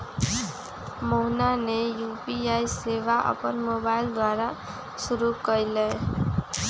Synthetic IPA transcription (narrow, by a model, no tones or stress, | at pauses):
moɦnanejupiajseβaʔʌ̰pʌnmobajld̪waɾa | suɾukʌjlej